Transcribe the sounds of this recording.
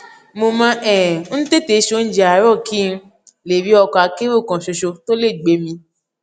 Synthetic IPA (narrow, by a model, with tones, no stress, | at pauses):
mo˧mã˧˦ʔɛ̃ː˨˦n̩˦te˦˨te˨˧˦ʃo˦˧n̩˦d͡ʒe˧a˨˦ɾɔ˦˨kʰi˦n̩˧ | le˨ɾi˨˦ɔ˧kɔ˧a˨˧ke˦ɾo˦˨kã˨ʃo˧ʃo˧to˦le˦˨ɡ͡be˨˦mĩ˧